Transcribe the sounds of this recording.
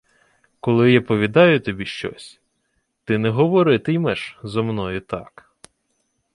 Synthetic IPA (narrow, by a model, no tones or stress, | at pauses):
kɔlˠɪjɑpɔʋʲid̪ɑjʊt̪ɔbʲiʃt͡ʃɔ̰sʲ | t̪ɪnɛɦɔʋɔɾɪt̪ɪjmɛʃzɔmnɔjʊt̪ɑk